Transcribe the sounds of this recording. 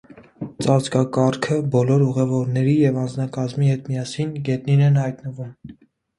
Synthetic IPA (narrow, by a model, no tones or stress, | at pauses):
t͡sɑt͡skɑkɑɾkʰəbɔlɔɾuʁɛvɔɾnɛɾijɛvɑnd͡znɑkɑzmihɛt̪mijɑsinɡɛt̪̚ninɛnhɑjt̪nəvum